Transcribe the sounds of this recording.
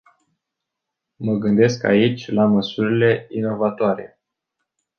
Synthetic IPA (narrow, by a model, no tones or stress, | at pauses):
məɡɨnd̪e̞ska̰it͡ʃʲlaməsuɾile̞ino̞vat̪oaɾe̞̰